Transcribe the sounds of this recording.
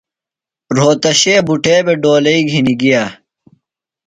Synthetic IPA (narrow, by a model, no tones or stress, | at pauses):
ɾoːt̪ɐɕeːbuʈeːbeɖoːlɐiɡʱiniɡijaː